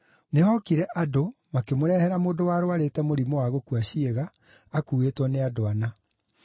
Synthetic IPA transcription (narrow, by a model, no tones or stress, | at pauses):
nehɔkiɾɛʔadomakemoɾɛhɛɾamoːndowaɾoaɾetɛmoɾimowaɣokuaɕieɣaː | kuːwetwɔneadoana